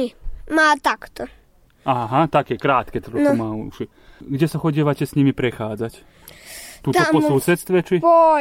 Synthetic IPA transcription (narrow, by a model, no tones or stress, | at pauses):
maːt̪akt̪ɔ | aːɦat̪akɛːkɾaːt̪kɛt̪ɾɔumaːuʃi | ɡɟʲɛsaxɔɟiɛʋacɛsɲimipɾɛxaːd͡zac | t̪uːt̪ɔaɔsuːsɛt̪st̪ʋɛt͡ʃipɔ